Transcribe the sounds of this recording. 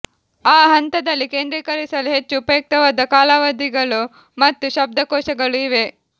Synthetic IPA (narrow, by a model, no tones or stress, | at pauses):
aːɦɐnt̪ɐd̪ɐlːike̞ːnd̪ɾikɐɾisɐluɦe̞t͡ʃːuːpɐjɐk̚t̪ɐʋaːd̪ɐkaːlaʋɐd̪iɡɐɭu | mɐt̪ːuʃɐb̚d̪ɐkɔːʃɐɡɐɭuiʋe̞